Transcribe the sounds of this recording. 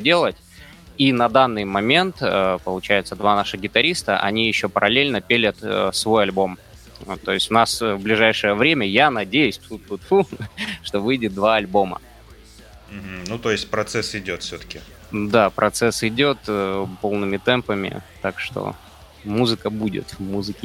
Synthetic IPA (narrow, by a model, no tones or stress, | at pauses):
dʲe̞lˠətʲ | inɐd̪anːɨjmɐmʲe̞nt̪əpəlˠʊt͡ɕæjɪt̪səd̪vanaʂɨɣɡʲɪt̪ɐɾʲist̪əʔɐ̰nʲijɪɕːopəɾʔɐlʲelʲnəpʲelʲət̪ːsvo̞jɐlʲbo̞m | t̪ːo̞jɪsʲtʲʊnasvblʲɪʐajʂɨjəvɾʲemʲəjanɐdʲejʉsʲt̪ut̪ːut̪fulˠʂt̪o̞vɨjdʲɪt̪̚d̪vaɐlʲbo̞mə̰ | m̩ɦ̩nut̪o̞jɪsʲt̚ʲpɾɐt̪sɛsɪdʲo̞t̪fsʲot̪ə̥kʲɪ | d̪apɾʔɐt̪sɛsɪdʲo̞t̪əpo̞lˠnɨmʲɪt̪ɛmpəmʲɪ̰t̪akʂt̪o̰ | muzɨkəbudʲɪ̰t̪muzɨkʲɪ